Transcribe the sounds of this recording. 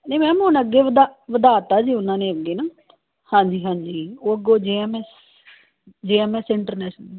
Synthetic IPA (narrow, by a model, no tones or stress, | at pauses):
neːmɛ̃ːmʊnəɡːeːʋəd̪aʋəd̪aːt̪aːd͡ʒiːʊnãːnẽːəɡeːnaː | hãːɲd͡ʒiːɦãːɲd͡ʒiːoːəɡoːd͡ʒeːɛːmɛːs | d͡ʒeːɛːmɛːsɪɳʈəɾnɛːʃnə